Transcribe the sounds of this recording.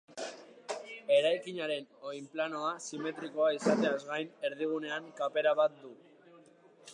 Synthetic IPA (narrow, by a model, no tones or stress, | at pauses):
e̞ɾajkiɲaɾe̞no̞jmplano̞asime̞t̪ɾiko̞aisat̪e̞azɣajne̞ɾðiɣ̞une̞aŋkape̞ɾaβat̪̚d̪u